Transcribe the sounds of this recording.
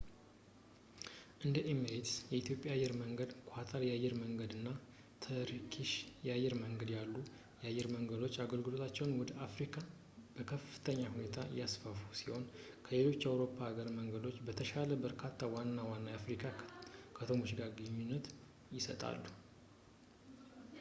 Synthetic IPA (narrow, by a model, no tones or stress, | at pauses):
ʔɨnd̪əʔeməɾet̪sjɛit̪ʰjo̞pʼjaajːɛɾməŋɡəd̪kʰʷʼat̪ʰaɾjajːɛɾməŋɡəd̪ɨnːa | t̪ʰəɾkʰiʃjajːɛɾməŋɡəd̪jalːu | jajːɛɾməŋɡəd̪o̞t͡ʃːaɡəlɡɨlo̞t̪ʰat͡ʃːɛwnwɔd̪əafɾikʰa | bəkʰəfɨ̥t̪ʰəɲːahune̞t̪ʰa̰jasfəfusiho̞nkʰəle̞lo̞t͡ʃːjawɾo̞pʰːaaɡəɾməŋɡəd̪o̞t͡ʃːbət̪ʰəʃaləbəɾkʰat̪ʰːawanːawanːajafɾikʰakʰət̪ʰo̞moʃiɡaɡəɲːunːət̪ | jɪsət̪ʼa̰lːu